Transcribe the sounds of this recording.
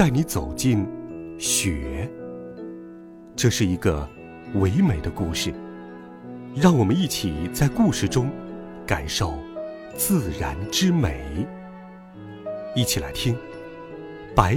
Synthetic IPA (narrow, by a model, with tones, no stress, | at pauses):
t͡sa˥˩ɪni˧˥t͡so˨˩ʊt͡ɕi˥˩nɕɥɛ˨˩˦ | ʈ͡ʂɤ˥˧ʂɻ̩˥˩i˧˥ɡə̰˧ | we˧˥ɪme˨˩ɪd̪ə˦ku˥˧ʂɻ̩˥˩ | ɻɑ˥˩ŋwɔ˨˩mə˦ni˥˩t͡ɕʰi˨˩t͡sa˥˧ɪku˥˧ʂɻ̩˥˩ʈ͡ʂʊ˥ŋ | ka˨˩ɪʂo˥˩ʊ | t͡sɹ̩˥˧ɻa˧˥nʈ͡ʂɻ̩˥me˨˩ɪ | i˥˩t͡ɕʰi˨˩la̰˧˥ɪt̪ʰi˥ŋ | pa˧˥